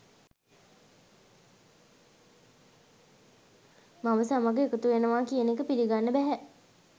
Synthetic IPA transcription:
maməsamaɡeːkət̪uʋenəʋaːkijənekəpiliɡanːəbæɦɛ

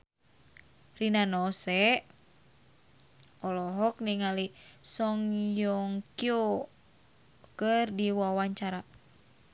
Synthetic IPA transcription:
rinanɔsɛ | ɔlɔɦɔk̚niŋalisɔŋjɔŋkio | kərdiwawaɲt͡ʃaɾa

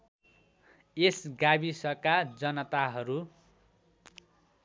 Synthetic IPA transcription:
esɡabisʌkad͡zʌnʌt̪aɦʌɾu

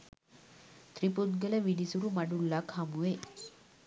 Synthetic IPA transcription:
t̪ɾiput̪̚ɡələʋiɽisuɾumaɽulːakhamue

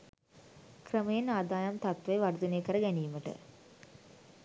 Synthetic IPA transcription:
kɾəmɐjenaːd̪aːjɐmt̪ɐt̪ʋɐjʋɐɾud̪uneːkəɾɐɡɛniːuməʈɨ̰

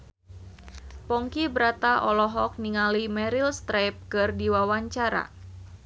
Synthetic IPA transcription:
pɔŋkibɾat̪aʔɔlɔɦɔk̚niŋalimɛɾilst̪ɾajp̚kɨrdiwawaɲt͡ʃaɾa̰

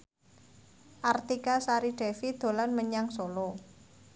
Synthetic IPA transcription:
ʔart̪ikasaɾiɖ̥ɛ̤fid̪̥o̤lanməɲaŋsolo

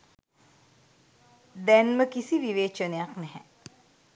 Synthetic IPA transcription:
d̪ænməkisiʋiʋeːt͡ʃənejaknɛɦɛ

